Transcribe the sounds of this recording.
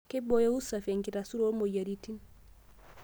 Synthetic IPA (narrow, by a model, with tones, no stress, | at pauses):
ke˦bo˦jo˦u˦sa˨fe˨ŋki˨ta˨su˦ɾo˦mo˨ja˨ɾi˦ti˦n